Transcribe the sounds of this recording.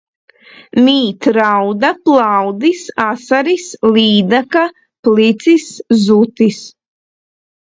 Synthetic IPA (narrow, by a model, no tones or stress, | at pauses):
miːt̪ɾawd̪aplˠawd̪isasaɾisliːd̪aka | plit̪siszut̪is